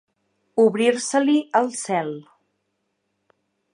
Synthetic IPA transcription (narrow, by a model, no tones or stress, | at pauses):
uβɾiɾsəliəlˠsɛlˠ